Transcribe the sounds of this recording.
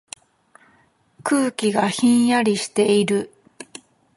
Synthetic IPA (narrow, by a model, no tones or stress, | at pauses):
kɯːkʲiɡaçĩɰ̃jaɾʲiɕi̥t̪e̞iɾɯ̟